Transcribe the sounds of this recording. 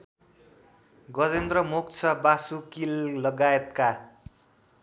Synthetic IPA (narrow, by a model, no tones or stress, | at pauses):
ɡʌd͡zend̪rʌmukt͡sʰʌbasukillʌɡaet̪ka